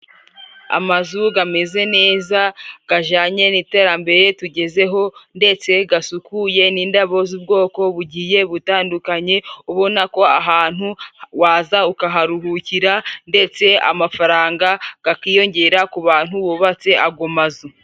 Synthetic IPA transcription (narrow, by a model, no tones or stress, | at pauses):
a̰mazuɡame̞ze̞ne̞ːzaɡ̥aʒaːɲe̞niːte̞ːɾambe̞ɾe̞tuɟe̞ze̞ɦo̞nde̞t͡se̞ɡasukuje̞niːndaβo̞zub̚ɡo̞ːko̞βuɟiːje̞βutaːndukaɲe̞uβo̞nako̞aɦaːn̥huwaːzaukaɦaɾuɦuciɾande̞t͡se̞a̰mafaɾaːŋɡaɡ̥akiːjo̞ɲɟe̞ːɾakuβaːn̥huβuβat͡se̞ʔaɡomazu